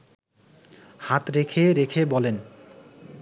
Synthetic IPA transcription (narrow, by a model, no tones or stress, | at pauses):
hat̪ɾekʰeɾekʰebɔlen